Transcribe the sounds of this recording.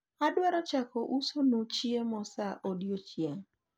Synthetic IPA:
adwɛɾɔt͡ʃakɔʔusonot͡ʃiemɔsaʔodjot͡ʃjeŋ

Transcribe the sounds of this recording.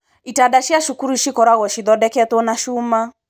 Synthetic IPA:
itadaʃjaʃukuɾuʃikɔɾaɣɔʃiðɔdɛkɛt̪ɔnaʃuma

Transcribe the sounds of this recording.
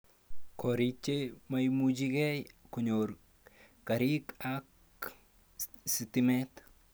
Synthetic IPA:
koɾit͡ʃːemajmud͡ʒiɡɛjkoɲoɾ | kɐɾikak | sit̪imɛt̪

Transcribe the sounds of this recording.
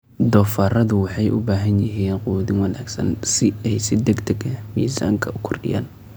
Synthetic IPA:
d̪ɔːfaːrɐðʊwɑħɑjʔʊbaːɦɐnjɪɦiːnquːðɪŋwɑnaːɡsɐ̰nsɪɛjsɪd̪ɛɡt̪ʰɐɡɐmiːsa̰ːŋkʰɐʊkʰɔrɖɪ̰ja̰ːn

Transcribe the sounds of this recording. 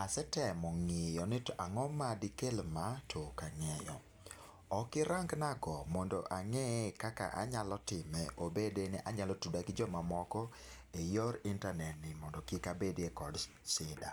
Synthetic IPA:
asɛtɛmɔŋɪjɔnɪtʔaŋɔmadikelmatʰokaŋɛjɔ̰ | ɔkɪɾaŋɡnaɡɔmɔndɔ̰ʔaŋɛkaka̰ʔa̰ɲalɔtɪmɛʔobedenɛʔaɲalɔtudakɪd͡ʒɔmamɔkɔ | ejɔɾɪntanɛtnɪmɔndɔkikabedekɔd | sɪda̰

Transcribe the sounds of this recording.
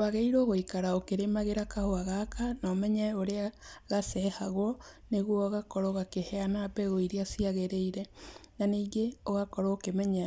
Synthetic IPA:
aɣeiɾoːɣoikaɾaokeɾemaɣeɾakahoaɣakanɔːmɛɲɛoɾeaɣasɛhaɣwɔ | neɣwɔoɣakɔɾɔɣakehɛanapɛɣoiɾiasiaɣeɾeiɾɛnaniːɡeoɣakɔɾookemɛɲa

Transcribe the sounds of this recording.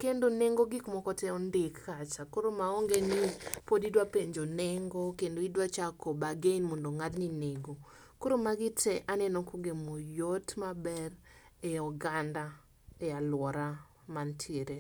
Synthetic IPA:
kendoneŋɡoɡɪkmɔkɔtɛɔndɪkːat͡ʃakoɾomaoŋɡenipodidwapeɲd͡ʒonɛŋɡokendoidwat͡ʃakɔbaɡeinmondoŋadnineɡo | koɾomaɡɪtɛʔanɛnɔkoɡemojotmabɛr | ɛɔɡanda | ealwɔɾa | mantʰjeɾe

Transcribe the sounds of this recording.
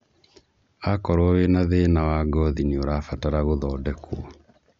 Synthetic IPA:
akɔɾwɔwenaðenawaɡɔðinioɾafataɾaɣoðɔːdɛko

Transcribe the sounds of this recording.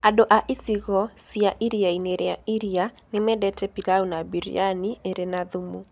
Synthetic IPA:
adoʔaʔisiɣɔsiaʔiɾiaineɾeaʔiɾia | nɪmɛdɛtɛpilaunabiɾḭanieɾenaðumu

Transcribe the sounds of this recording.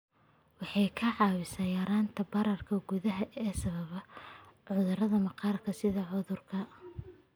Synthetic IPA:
wɑħɑjkʰɐʕɑːwɪsaːjɐːɾaːnt̪ʰɐbɐɾɐrkʰɐɡʊðɐɦɐʔɛːsɐβɐβɐʕʊðʊɾɐðɐmɐqɑːrkʰɐsɪðɐʕʊðʊrkʰɐ

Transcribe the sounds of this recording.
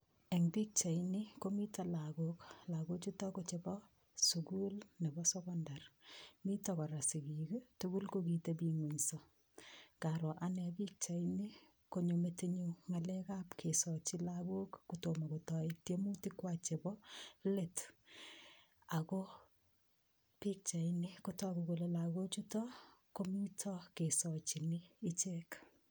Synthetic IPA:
eŋpik̚t͡ʃainikomitalaɡoklaɡot͡ʃutɔkot͡ʃebɔ | sukulnebɔsɔkɔndarmitɔkɔɾasikiketukulkokitebiŋwuɲsɔ | kaɾɔʔanɛbik̚t͡ʃaini | koɲometiɲuŋalɛkapkʰesɔt͡ʃilaɡokːutomakotɔitjemutikwat͡ʃebɔlet | ako | pik̚t͡ʃainikutɔkukolelaɡot͡ʃutɔkomitʰɔkesɔt͡ʃiniːt͡ʃek

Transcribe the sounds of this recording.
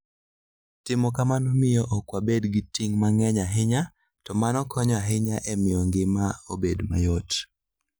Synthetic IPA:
tɪmɔkamanɔmɪjɔʔɔkwabedɡɪtiŋmaŋɛɲaɦɪɲa | tɔmanɔkʰɔɲɔaɦɪɲaʔemɪjɔŋɡɪmaobedma̰jot

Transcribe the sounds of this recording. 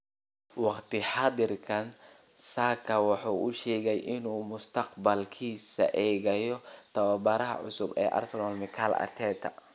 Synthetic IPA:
wɑqt̪ɪħɑd̪ɪrkʰɐn | saːkʰɐwɑħuːʔʊʃɛːɣɛjʔɪnuːmʊst̪ʰɑqbɐlkʰiːsɐ̰ʔɛːɣɐjɔt̪ʰɐwɐbɐɾɐɦɐ̰ʕʊ̰sʊbɛ̰ːʔɐ̰rsɐlɔːlmɪkʰalɐ̰t̪ʰɛːt̪ʰɐ

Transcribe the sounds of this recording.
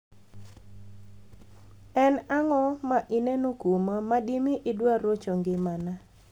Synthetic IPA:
ɛnaŋɔmaʔɪnenokumamadimɪʔɪdwaɾot͡ʃoŋɡɪmana

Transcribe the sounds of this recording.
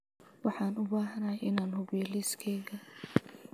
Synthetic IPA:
wɑħɑːnʊbaːɦɐnaːjɪnaːnɦʊβɛːlɪskʰɛːɣɐ

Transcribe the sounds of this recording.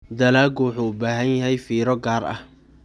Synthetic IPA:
d̪ɐlaːɡwʊħuːʊbaːɦɐnjɐɦɛjfiːɾɔɡaːrɐ̰h

